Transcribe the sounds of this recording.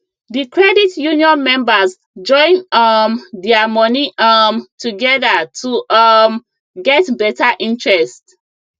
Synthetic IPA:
dikɹɛditjuniɔ̃nmɛ̃mbas | d͡ʒɔ̃ɪ̃nʌmdɛamɔniamtʰuɡɛðatʰum | ɡɛtbɛtaʔĩntɹɛst

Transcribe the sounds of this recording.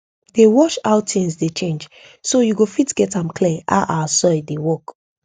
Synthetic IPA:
dewɔʃaʊtʰĩŋsdet͡ʃẽnd͡ʒ | sojuɡofitɡ̥ɛtãmkʰliʔa̰ʊʔaasɔdewɔk

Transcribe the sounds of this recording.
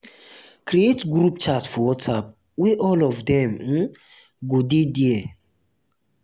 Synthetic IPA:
kɾietɡɾup̚t͡ʃatsfɔwɔtsap̚ | wiʔɔlɔvdɛ̃m̩ | ɡodediɛ

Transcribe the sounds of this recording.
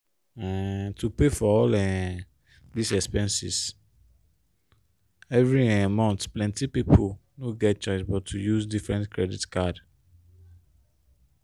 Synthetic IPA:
ɛ̃tʰupefɔɔlɛ̃ | disɛspɛ̃nsḭs | ɛvɹiɛ̃mɔ̃nt̪plɛ̃ntipipʰonoɡɛt̚t͡ʃɔɪsbɔtʰːujusdifɹɛ̃ntkʰɹɛditkʰad

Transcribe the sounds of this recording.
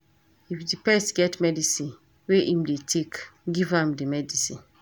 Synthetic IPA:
ifdipɛstɡɛtmɛdisĩn | weʔĩmdetʰekɡivãmdimɛdisĩn

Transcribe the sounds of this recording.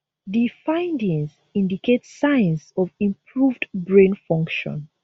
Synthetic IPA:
difãɪ̃ndĩŋz | ĩndikʰetssãɪ̃nzɔvĩmpʰɹuvdbɹẽnfɔ̃ŋkʃɔ̰̃n

